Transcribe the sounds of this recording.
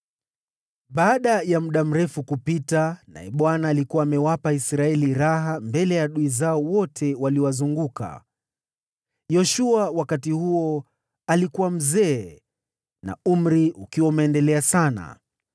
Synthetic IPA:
ɓaːɗajamuɗam̩ɾɛfukupitana̰ɛɓwanaːlikuwaːmɛwapaisɾaɛliɾaɦambɛlɛjaɗuizaɔwɔtʰɛwaliwazuŋɡuka̰ | jɔʃuawakatihuɔ | alikuwam̩zɛː | na̰um̩ɾiʔukiwaumɛːndɛlɛasana̰

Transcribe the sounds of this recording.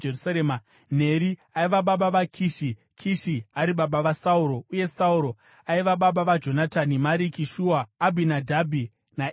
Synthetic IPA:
erusaɾeːma | n̤e̞ɾi | aiʋaɓaɓaʋakʰiʃi | kʰiʃiaɾiɓaɓaʋasauɾo̞uje̞sauɾo̞ | aiʋaɓaɓaʋad͡ʒo̞natanimaɾikiʃuːaːbʱinadʱabʱi | na

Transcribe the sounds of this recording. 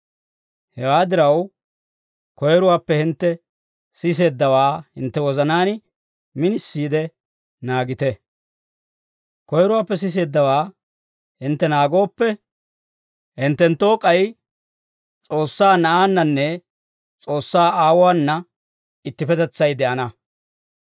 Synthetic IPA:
hɛwaːd̪ɪɾɐw | kɔjɛɾʊwaːpːɛhɪnt̪ːɛ | sɪs̬e̞ːd̪ːɐwaːhɪnt̪ːɛwɔzɐnaːn | mɪnɪsːiːd̪ɛ | naːɡɪt̪ɛ | kɔjɛɾʊwaːpːɛs̬ɪs̬e̞ːd̪ːɐwaː | hɪnt̪ːɛnaːɡo̞ːpːɛ | hɪnt̪ːɛnt̪ːo̞ːkʼɐj | t͡sʼo̞ːsːaːnɐʔaːnːɐnːɛ | t͡sʼo̞ːsːaːʔaːwʊaːnːɐ | ɪt̪ːɪpɛt̪ɛt͡sːɐjd̪ɛʔɐnɐ

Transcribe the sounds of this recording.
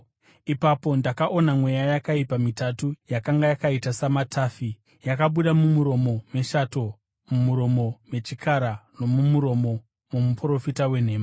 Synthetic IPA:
ipapo̞ndakaʔo̞namwe̞jajakaipamitatujakaŋɡajakaitasamatʰaːfi | jakaɓuɗamumuɾo̞mo̞meʃato̞ | mumuɾo̞mo̞me̞t͡ʃikʰaɾano̞mumuɾo̞mo̞ | mumupro̞fitawe̞n̤e̞ːma

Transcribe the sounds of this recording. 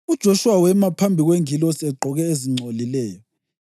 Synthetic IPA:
ud̥ʒ̥ʱoʃuwawɛmapʰambʱiɣweŋilɔsɛɡ͡ǃʱɔɣɛeziŋ͡ǀʱolilɛːjɔ

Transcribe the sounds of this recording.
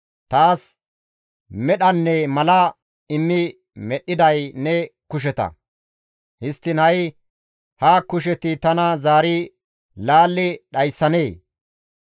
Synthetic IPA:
t̪aːs | mɛɗɐnːɛmɐlɐ | ɪmːɪ | mɛɗɪd̪ɐjnɛkʊʃ̬ɛt̪ɐ̰ | hɪst̪ːɪnɐj | hakʊʃ̬ɛt̪ɪt̪ɐnɐzaːɾɪ | laːlːɪɗɐjsːɐneː

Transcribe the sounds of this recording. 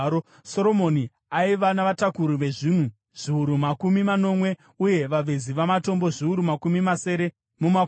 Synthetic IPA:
so̞ɾo̞mo̞ni | aiʋanaʋatakuɾuʋe̞ʐiːn̤u | ʐ̥iuɾumakumimano̞mwe̞ | uje̞ʋaʋeziʋamato̞mbo̞ʐiuɾumakumimase̞ɾe̞ | muma

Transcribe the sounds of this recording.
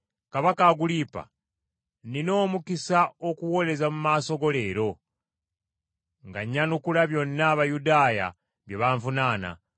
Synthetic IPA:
kaβakaɡulipa̰ | nino̞ːmukisao̞kuwo̞le̞zamumaːso̞ɡo̞le̞ːɾo̞ | ŋɡaɲːanukulaβjo̞nːaːβajudaːja̰ | βjeβaɱvunaːna̰

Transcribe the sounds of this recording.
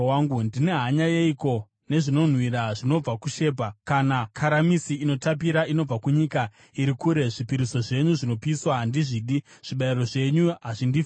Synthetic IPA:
aŋɡundine̞ɦaɲajeiko̞ | ne̞ʐino̞n̤wiɾaʐino̞b͡vakuʃe̞ːbʱakanakʰaɾamisiino̞tapiɾaino̞b͡vakuɲika | iɾikuɾe̞ʐipiɾiso̞ʐe̞ɲuʐino̞piswaɦandiʐiːɗi | ʐ̥iɓairo̞ʐe̞ɲuɦaʐindif

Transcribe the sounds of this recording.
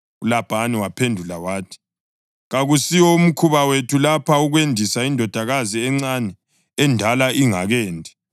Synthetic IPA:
ulab̥ʱaniwapʰendʱulawaːtʰi̥ | ɣaɣusiwɔum̩kʰuβawetʰulapʰauɣwendʱisaindʱɔd̥ʱaɣaziɛŋ͡ǀanɛ | ɛndʱalaʔiŋaɣɛːndʱɛ

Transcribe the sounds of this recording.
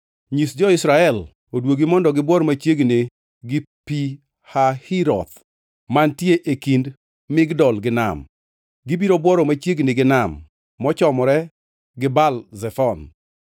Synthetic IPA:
ɲisd͡ʒɔɪsɾaɛl | odwoɡimɔndɔɡɪbwɔɾɔmat͡ʃjeɡne | ɡɪ | pi | hahiɾɔ̰t̪ | mantjeʔekind | mɪɡdɔlɡɪna̰m | ɡɪbiɾobwɔɾɔmat͡ʃjeɡnɪɡɪnamː | ɔt͡ʃɔmɔɾɛ | ɡɪbalzɛfɔn

